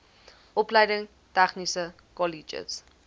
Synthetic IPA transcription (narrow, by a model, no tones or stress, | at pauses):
ʔɔplɛjdəŋ | tɛχnisə | kɔlid͡ʒə̰s